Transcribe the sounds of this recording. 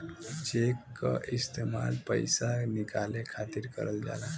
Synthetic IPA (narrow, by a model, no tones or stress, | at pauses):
t͡ʃekːə̰ʔist̪ema̰lpəjsanikalekʰat̪iɾkə̰ɾəld͡ʒa̰la